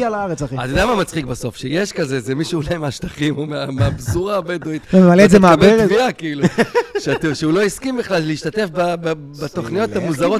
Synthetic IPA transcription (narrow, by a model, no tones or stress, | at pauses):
alaaʁet͡saχiat̪od̪amamat͡sχikbaso̞fʃejeʃkazezemiʃuːlajmeaʃt̪aχimomeameabzuʁaːbeduit̪vememaleːzemaabeviakiiluʃet̪ʃeulo̞iskimbiχlalleiʃt̪at̪e̞fbab | bat̪o̞χnijo̞t̪amuzaʁo̞